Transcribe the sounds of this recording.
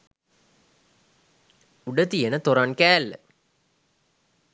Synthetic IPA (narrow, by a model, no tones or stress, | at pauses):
uɖət̪ijenət̪oɾankæːlːə̰